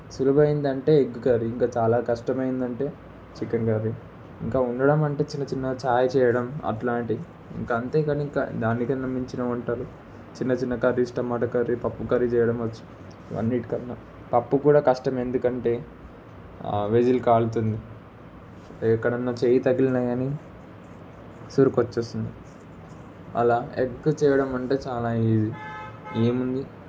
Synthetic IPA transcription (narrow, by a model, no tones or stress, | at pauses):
sulubɐjind̪ɐɳʈe̞ːeɡːukaɾiiŋkaːt͡ʃaːlaːkɐʂʈɐmɐjind̪ɐɳʈe̞ː | t͡ʃikɐnɡaːɾi | iŋkaːuɳɖɐɽɐmɐɳʈe̞ːt͡ʃinːɐt͡ʃinːɐt͡ʃaːjɐt͡ʃɛːjɐɽɐmɐ̰ʈlaːɳʈi | ḭŋkaɐnt̪eːkaniŋka̰ːd̪aːnːikɐnnɐmːiɲt͡ʃinɐːuɳʈaːɾu | t͡ʃinːɐt͡ʃinːɐkɐɾːisʈɐmːaːʈɐkɐɾipɐpːukɐɾit͡ʃɛːjɐɽɐmʋɐt͡ʃːu̥ | iʋɐ̰nːiʈi̥kɐnnɐ | pɐpːukuːɽaːkɐʂʈɐme̞nd̪ukɐɳʈe̞ː | ʋed͡ʒilkaːlut̪und̪i | ɛkːɐɽɐnːɐt͡ʃeːjɐt̪ɐɡilɐnɐɡaːni | suɾukot͡ʃːust̪und̪i | ɐ̰laːekkːut͡ʃɛːjɐɽɐmɐɳʈe̞ːt͡ʃaːlaːiːd̪ieːmund̪i